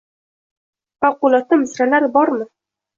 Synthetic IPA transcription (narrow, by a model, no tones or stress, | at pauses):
fɑqːʊlˠɒt̪ɪmɪsɾalaɾɪbɒɾmɪ